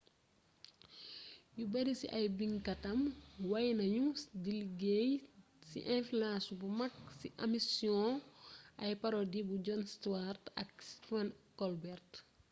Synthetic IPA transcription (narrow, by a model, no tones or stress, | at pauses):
jubɐɾisḭʔɐjbiŋkɐtɐmwɐjnɐɲusdiliɡej | sḭʔɛ̃filãsubumɐksiʔɐmisjɔ̃ʔɐjpɐɾɔdibud͡ʒɔnstartɐ̰kstfankɔlbɛrt